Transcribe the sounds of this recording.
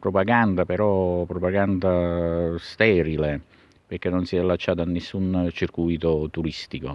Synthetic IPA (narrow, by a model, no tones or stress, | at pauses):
pɾopaɡand̪apeɾɔpɾopaɡand̪ast̪ɛːɾile | perk̟enːonsiɛlːat͡ʃːaːt̪anːesːunt͡ʃirkujt̪ot̪uɾist̪iko